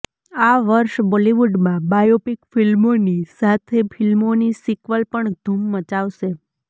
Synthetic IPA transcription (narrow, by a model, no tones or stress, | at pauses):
aʋəɾʃboliʋuɖmãbajopikfilmonisat̪ʰefʰilmonisikʋəlpəɳd̪̥ʱumːət͡ʃaʋʃe